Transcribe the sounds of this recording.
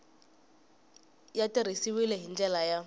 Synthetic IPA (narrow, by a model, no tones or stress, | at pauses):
jatʼɪɾisiwileɦind͡ʒɛlaja